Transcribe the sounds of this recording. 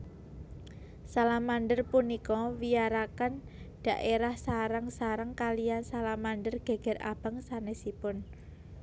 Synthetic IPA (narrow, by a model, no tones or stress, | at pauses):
salamanɖərpunikɔwijaɾakan | ɖ̥a̤ʔeɾahsaɾaŋsaɾaŋkalijansalamanɖərɡ̥e̤ɡ̥ɛ̤ra̰b̥a̤ŋsanesipʊn